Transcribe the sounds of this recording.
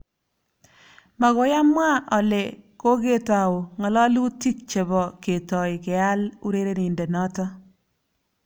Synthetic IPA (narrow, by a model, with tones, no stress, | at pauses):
ma˨ɣo˨ja˦mwa˦ʔɔ˨le˨ko˦ke˦ta˨wo˨ŋɔ˨lɔ˦lu˦ti˦k̚t͡ʃe˨bɔ˨ke˨tɔ˨ɪ˨kɛ˨a˦lṵ˦ɾe˦ɾe˦ni˨nde˨nɔ˦tɔ˦